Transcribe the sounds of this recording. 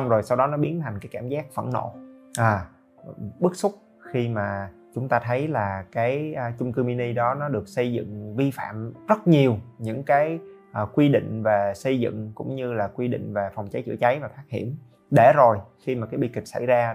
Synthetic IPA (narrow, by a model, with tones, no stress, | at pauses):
wŋ͡mzo˨˩jsa˧wɗɔ˨˦nɔ˨˦ɓi˨˦ənt̪ʰa˨˩ŋ̟kaː˨˦jkaː˧˩mzaː˦˥k̚və̰˧˩nno̰˧˨ʔaː˨˩ | ɓɨ˦˥k̚sʊ˦˥k͡p̚ | xi˧maː˨˩ | t͡ɕʊ˨˦ŋ͡mt̪aː˧t̪ʰə˨˦jlaː˨˩kaː˨˦jt͡ɕʊ˧ŋ͡mkɨ˧mi˧ni˧ɗɔ˨˦nɔ˨˦ɗɨ˨˩ək̚sə˧jzɨ̰˧˨ŋvi˧fa̰ː˧˨mzə˦˥t̚ɲi˨˩əwɲɨ̰˧˥ŋkaː˨˦jʔːkwi˧ɗḭ˧˨ŋ̟ve˨˩sə˧jzɨ̰˧˨ŋkʊ̰˧˥ŋ͡mɲɨ˧laː˨˩kwi˧ɗḭ˧˨ŋ̟ve˨˩fa˨˩wŋ͡mt͡ɕa˨˦jt͡ɕɨ˧˩ət͡ɕa˨˦jvaː˨˩t̪ʰaː˦˥k̚hḭ˧˩əm | ɗe˧˩zo˨˩jxi˧maː˨˩kaː˨˦jɓi˧kï˨˩k̚sa̰˧˩jzaː˧